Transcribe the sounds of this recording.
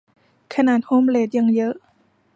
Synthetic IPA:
kʰa˧naː˨˩t̪̚hoː˧˥˨mleː˧˩t̪̚ja˧ŋjɤ˦˥ʔ

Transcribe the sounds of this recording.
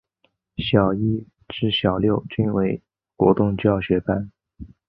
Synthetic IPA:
ɕjɑ˨˩ʊi˥ | ʈ͡ʂɻ̩˥˩ɕjɑ˨˩ʊljo˥˩ʊt͡ɕy˥nwe˧˥ɪ | kwɔ̰˧˥t̪ʊ˥˧ŋt͡ɕjɑ˥˩ʊɕɥɛ˧˥pa˥˩n

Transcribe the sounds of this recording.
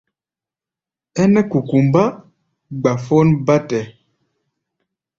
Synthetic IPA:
ɛ˦nɛ˦ku˨ku˨mba˦ | ɡ͡ba˨fo˦nba˦tɛ˨

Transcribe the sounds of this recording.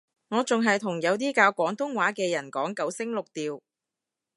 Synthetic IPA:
ŋɔː˨˧t͡sʊ˨ŋɦɐ˨jt̪ʰʊ˨˩ŋjɐ˨˧wt̪iː˥kaː˧wkʷɔː˨˥ŋt̪ʊ˥ŋwaː˨˥kɛː˧jɐ˨˩nkɔː˨˥ŋkɐ˨˥wsɪ˥ŋlʊ˨k̚t̪iː˨˧w

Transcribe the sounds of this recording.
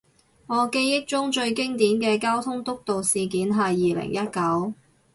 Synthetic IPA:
ŋɔː˨˧ke˥jːɪ˥k̚t͡ʃʊ˥ŋt͡ʃɵ˧ɥkɪ˥ŋt̪iː˨˥nkɛː˧kaː˥wt̪ʰʊ˥ŋt̪ʊ˥k̚t̪o˨wsiː˨k̬iː˨˥nɦɐ˨jːiː˨lɪ̰˨˩ŋjɐ˥t̚kɐ˨˥w

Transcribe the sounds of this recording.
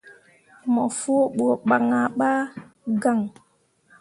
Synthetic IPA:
mɔ˨fu˦o˦ɓu˨o˨ɓa˨ŋa˨ɓa˦ | ɡa˦˨ŋ

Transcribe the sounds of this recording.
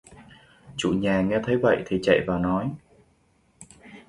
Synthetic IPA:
t͡ɕṵ˧˨ɲaː˨˩ŋɛ˧t̪ʰə˨˦jvə̰˧˨jt̪ʰi˨˩t͡ɕə̰˧˨jvaː˨˩nɔ˨˦j

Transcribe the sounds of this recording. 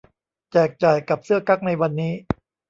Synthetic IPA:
t͡ɕɛː˨˩k̚t͡ɕa˨˩jka˨˩p̚sɯ˥˩ɐka˦˥k̚na˧jwa˧nːiː˦˥

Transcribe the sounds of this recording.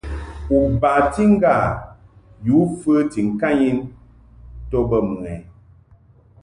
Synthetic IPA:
u˨ba˨ti˦ŋ̩˦ɡa˦˨ | ju˨˦fə˦ti˨ŋ̩˨ka˦˨ɲi˦n | tɔ˦bə˦˨mɨ˨ŋɛ˨

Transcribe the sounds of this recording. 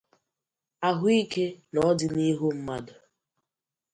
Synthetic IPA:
a˦ɦʊ˦i˦ke˦nɔ˦dɪ˨˦ni˦ɦʊ˦m̩˦ma˦dʊ˨

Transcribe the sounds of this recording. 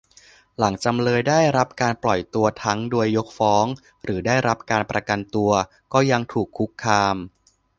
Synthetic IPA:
la˩˦ŋt͡ɕa˧mlɤː˧jdaː˥˩jɾa˦˥p̚kaː˧nplɔ˨˩jt̪u˧ɐt̪ʰa˦˥ŋduː˧əjːo˦˥k̚fɔː˦˥ŋ | ɾɯː˩˦daː˥˩jɾa˦˥p̚kaː˧npɾa˧ka˧nt̪u˧ɐ | kɔː˥˩ja˧ŋt̪ʰuː˨˩kʰːu˦˥kʰːaː˧m

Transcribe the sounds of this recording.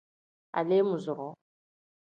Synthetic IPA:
a̰˨le˦mʊ˨zʊ˨ɾɔ˨˦

